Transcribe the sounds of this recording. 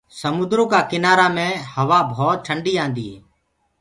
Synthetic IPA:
səmʊnd̪ɾõːkaːkɪnaːɾaːmẽːhəʋaːbʱɔːt̪̚ʈʰəɳɖiːãːnd̪iːeː

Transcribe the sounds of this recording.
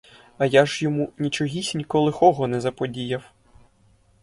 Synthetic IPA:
ɐjaʒjɔmunʲit͡ʃɔɦʲisʲnʲikɔlˠɪxɔɦɔnɛzɐpɔdʲijɐw

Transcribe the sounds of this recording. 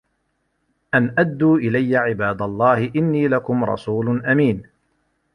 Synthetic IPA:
ʔanʔad̪ːuːʔɪlajːaʕɪbaːd̪alˤːɑːhɪʔɪnːiːlakʊmɾˤɑ̰sˤuːlʊnʔamiːn

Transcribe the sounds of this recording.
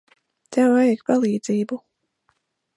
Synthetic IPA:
t̪ɛwajkpalˠiːd̪ziːbu

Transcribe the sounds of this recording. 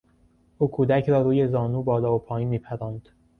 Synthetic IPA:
ʔuːkʰuːd̪æcʰɾɒːɾuːje̞zɒːnuːbɒːlɒːopʰɒːjiːnmiːpʰæɾɑːnd̪̥

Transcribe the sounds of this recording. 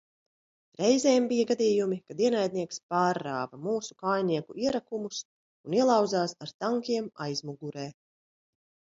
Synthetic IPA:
ɾɛjzɛːmbijaɡad̪iːjumikad̪iɛnajd̪̚niɛkspaːɾːaːvɐmuːsu̥kaːjniɛkuʔiɛɾakumus | uniɛlˠawd̪zaːsaɾt̪aŋkʲiɛmajzmuɡuɾɛː

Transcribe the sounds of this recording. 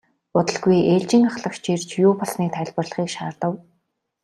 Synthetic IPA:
ʊt̪ə̆ɮɡujeːɮt͡ɕɪ̆ŋaχɮə̆kt͡ɕert͡ɕjʊːpɔɮniːk̚t̪ʰæ̆ɮpə̆rɮə̆χiːkʃaːrt̪ə̆w

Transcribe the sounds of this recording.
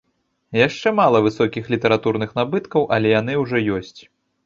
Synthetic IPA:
jaʂt͡ʂɛmalˠɐvɨsɔkʲixlʲit̪ɐɾat̪uɾnɨxnabɨt̪kɐwʔɐlʲɛjan̪ɨwʐɔjɔsʲt͡sʲ

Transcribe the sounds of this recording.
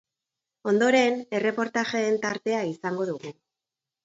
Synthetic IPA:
o̞nd̪o̞ɾe̞ne̞re̞po̞ɾt̪aʝeːnt̪aɾt̪e̞aisaŋɡo̞ðuɣu

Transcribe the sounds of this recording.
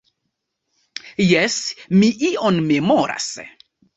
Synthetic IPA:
jɛsmiʔiʔonmemoɾa̰s

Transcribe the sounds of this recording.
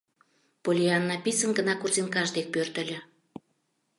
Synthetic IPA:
polʲiɑnːɑpisənɡənɑkurzinkɑʒd̪ek̚pørt̪ə̆lʲə̆

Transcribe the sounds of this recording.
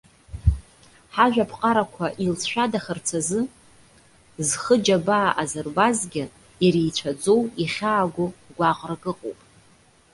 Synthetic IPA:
ħaʒᶣapʰqʼaɾakʷʰaʔilsʰʃᶣadaχərt͡sʰazɨ | zχəd͡ʒabaːʔazɨrbazɡʲɪ | jaɾijt͡ʃʷʰad͡zowiχʲaːɡʷʊɡʷaqʼrɡɨqʼo̰wpʼ

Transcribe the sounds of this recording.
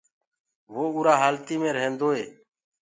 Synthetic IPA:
ʋoːuːɾaːɦaːlt̪iːmẽːɾəɦẽːnd̪oːɦeː

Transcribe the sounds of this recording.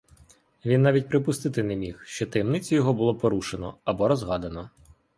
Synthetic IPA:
ʋʲinːɑʋʲit̚ʲpɾɪpʊst̪ɪt̪ɪnɛmʲixʃt͡ʃɔt̪ɐjɛmnɪt͡sʲʊjɔɦɔbʊlˠɔpɔɾuʃenɔ̰ɐbɔɾɔzɦɑd̪ɐnɔ

